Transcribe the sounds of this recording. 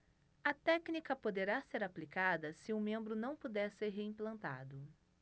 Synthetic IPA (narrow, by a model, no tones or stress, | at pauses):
ɐt̪ɛknikɐpod̪eɾaseɾaplikad̪ɐsɪʊmẽmbɾʊnɐ̃w̃pud̪ɛɾseɾɦeĩplɐ̃nt̪a̰d̪ʊ